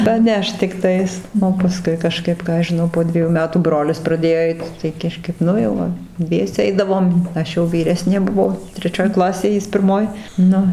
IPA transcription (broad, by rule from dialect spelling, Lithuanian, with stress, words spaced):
pɐˈnʲɛʃt tʲɪkˈtɐɪs oː pɐˈskʊɪ kɐˈʃkɐɪp ˈkɑː ɐʃ ʒʲɪˈnɐʊ poː ˈdʲʋʲiɛjuː ˈmʲæːtuː ˈbroːlʲɪs prɐˈdʲeːjoː ˈɛɪt tɐɪ ˈkɑːʃkɐp ˈnʊ jɛʊ ˈʋɐ ˈdʲʋʲiɛsʲɛ ˈɛɪdɐʋoːm ˈɐʃ jɛʊ ʋʲiːˈrʲæːsʲnʲeː bʊˈʋoː tʲrʲɛˈt͡ʃʲoːj ˈklˠɑːsʲeːj ˈjɪs pʲɪrˈmoːj ˈnʊ